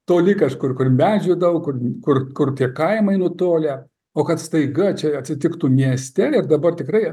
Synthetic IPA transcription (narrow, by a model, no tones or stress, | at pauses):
t̪oːlʲɪkɐʃkʊrkʊrmʲæːʒʲuːd̪ɐʋɐʊkʊrkʊrkʊrt̪ʲiɛkɐɪmɐɪnʊt̪oːlʲɛ | oːkɐt̪st̪ɐɪɡɐt͡ʃʲɛɐt̪ʲsʲɪt̪ʲɪkt̪uːmʲiɛsʲt̪ʲɛɪrd̪ɐbɐrt̪ʲɪkrɐɪ